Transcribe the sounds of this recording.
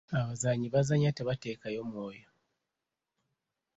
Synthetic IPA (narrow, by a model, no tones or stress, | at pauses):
aβazaɲiβazaɲateβate̞ːkajo̞mwo̞ːjo